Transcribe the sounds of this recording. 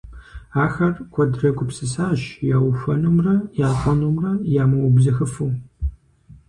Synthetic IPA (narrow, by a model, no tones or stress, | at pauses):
aːxɐrkʷʰɔdrɐɡʷʼʊpsɨsaːɕjaːwɕʷɔnumrɐjaːqʷʼɔnumrɐjaːmɐwbzɐxɨfuː